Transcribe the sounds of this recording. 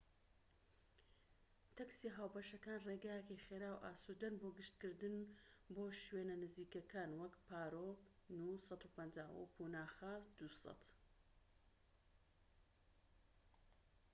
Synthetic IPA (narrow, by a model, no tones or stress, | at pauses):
t̪ɐksiɦaːwpɐʃɐkaːnreːɡaːjekejχeɾaːwʔa̰ːsod̪ɐnboɡɨʃt̪̚kɨɾd̪ɨnboːʃwenɐnɨziːkɐkaːnwɐkpaːɾoːnusɑt̪uːpɐnd͡ʒaːwṵpʰunaːxɐd̪̥usɑ̰t̪